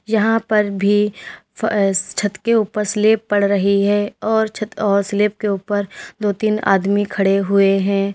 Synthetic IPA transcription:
jɐɦãpɐɾbʱi | t͡ʃʰɐt̪keuːpəɾsleːpːɐɽɾɐɦiɦɛɔːɾt͡ʃʰt̪ɔːɾsleːp̚keuːpəɾd̪oːt̪iːna̰ːd̪mikʰɐɽeɦʊeɦɛ̃ː

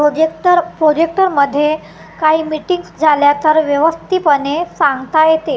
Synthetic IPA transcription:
oeʈəɾpɾod͡ʑek̚ʈəɾməd̪ʱːje | kaɦiːmiʈiŋɡsd͡zʱaljat̪əɾʋjəʋəst̪ʰiːpəɳesãŋɡt̪ajet̪e

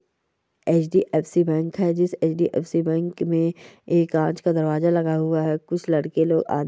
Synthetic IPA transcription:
eːt͡ʃɖiʔeːpsibɛ̃ːŋkɦɛd͡ʒɪseːt͡ʃɖiʔɛ̰ːfsibɛ̃ːŋkmẽeːkãːt͡ʃkad̪ɐɾʋaːzalɐɡaɦʊaɦɛkʊt͡ʃʰlɐɽkeloːɡa̰ːd̪

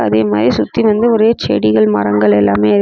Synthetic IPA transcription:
ɐ̰ðeːmaːðɾisʊt̪ːiʋɐnd̪ɯɔɾeːɐt͡ʃḛːɽɪɣɐɭmɐ̰rɐŋɡɐɭɛlːaːmeːɐ

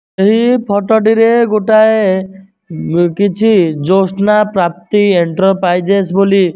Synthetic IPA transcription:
eɦipʰɔʈɔɖiɾeɡoʈae | kit͡ʃʰid͡ʒosnapɾap̚t̪ieɳʈɾɔɾpajd͡ʒesboli

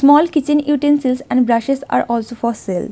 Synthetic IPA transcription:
smɔːlkɪt͡ʃɪ̃njuːʈẽnsɪlsɛ̃ɳɖbɾaʃesa̰ːɾʔɔːlsoːfɔːsel

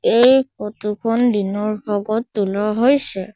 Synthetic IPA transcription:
ejkotukʰɔndinɔɹbɔɡɔtːulɔɦojsɛ

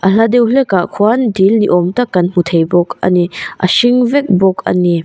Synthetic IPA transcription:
ʔɐlad̪ɛwɬɛkaʔkʰuandilniʔɔmt̪akːɐnm̥ut̪ʰejbɔkɐ̰niʔɐ̰siŋvɛk̚bɔkɐ̰ni

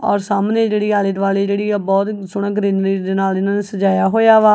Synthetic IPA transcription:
ɔ̰ːɾsaːmneːd͡ʒeːɽiːaːlɪd̪ʋaːleːd͡ʒeːɽiːɛbɔːt̪sʊɳãːɡəɾẽːnd̪ɾiːd̪eːnaːlɪnãːneːsəd͡ʒaːjaːɦoːjaːʋaː

